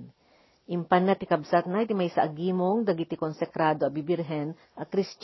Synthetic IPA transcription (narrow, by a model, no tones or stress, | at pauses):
ʔɪmpanːat̪ɪkɐbsat̪̚najt̪ɪmajsɐʔɐɡiːmoŋd̪ɐɡit̪ɪkonsɛkɾaːd̪oɐbibɪɾɦɛn | ʔɐkɾɪst͡ʃ